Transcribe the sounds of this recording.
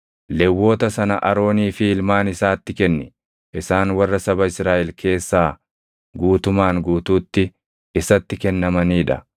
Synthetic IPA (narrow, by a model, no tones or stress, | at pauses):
lɛwːo̞ːt̪ɐsɐnɐʔɐɾo̞ːniːfɪɪlmaːnɪsaːt̪ːɪkɛnːɪ | ʔɪsaːnwɐrːɐsɐbɐɪsɾaːʔɛlkʰe̞ːsːaː | ɡuːt̪ʊmaːŋɡuːt̪uːt̪ːɪ | ɪsɐt̪ːɪkɛnːɐmɐniːᶑɐ